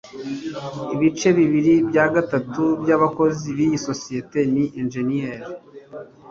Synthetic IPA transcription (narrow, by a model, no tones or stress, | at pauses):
iβit͡ʃe̞βiβiɾibjaɡatatubjaβako̞ziβijiso̞siete̞niʔenʒenijeɾi